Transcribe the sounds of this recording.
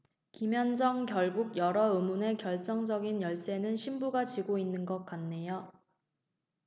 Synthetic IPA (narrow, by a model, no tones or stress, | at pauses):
kimjʌnd͡ʑʌŋkjʌɭɡuɡ̚jʌɾʌɯmune̞kjʌɭt͡ɕ͈ʌŋd͡ʑʌɡinjʌɭs͈e̞nɯnɕʰimbuɡat͡ɕiɡoinːɯnɡʌk̚k͈anːe̞jo